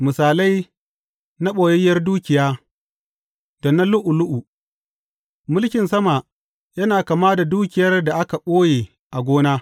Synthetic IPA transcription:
mʊ˨saː˨la˦j | na˦ɓoː˨jɛ˦jːɐ˦rduː˦kʲɪ˨jaː˦ | dɐ˨na˦lʊ˦ʔʊ˨lʊ˦ʔu˨ | mʊ˦lkʲɪ˨nsɐ˦ma˨ | jɐ˦naː˨kaː˨maː˦da˨duː˦kʲɪ˨jɐ˦rda˨ʔa˦ka˨ɓoː˦jeː˨ | ʔa˨ɡʷoː˦naː˦

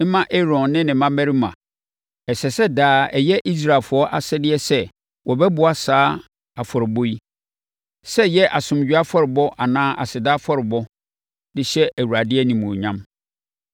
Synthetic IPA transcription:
mã˦ʔe˦ɾɔ̃˨nːɪ̃˦nɪ̃˨mã˦mæ̃˦ɾi˦mã̰˨ | ɛ˨sɛ˨sɛ˦daː˦ɛ˨jɛ˦ʔi˦s̬ɾa˨fʊ˨ɔ˦ʔa̰˨sɛ˦dɪ˦ɛ˦sɛ˦ | wɔ˨bɛ˦bʊ˨˦a˦saː˦ | a˨fɔ˨ɾɪ˨bo˦i˦ | sɛ˦jɛ˦ʔa˨sʊ̃˨m˨d͡ʑᶣi˦a˦fɔ˦ɾɪ˨bɔ˦ʔa˨nãː˦a˨sɪ˨daː˦fɔ˦ɾɪ˨bɔ˦ | dɪ˦ɕɛ˦ʔæ˨wu˨ɾa˨dɪ˦ɛ˦nĩ˨mũ˨ɲã˦m

